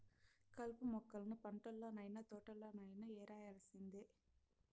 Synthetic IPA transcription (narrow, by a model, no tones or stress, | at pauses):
kɐlpumɔkːɐlɐnupɐɳʈɐlːoːnɐjnat̪ɔːʈɐlːoːnɐjnɐɛːɾaːjaːlɐsind̪i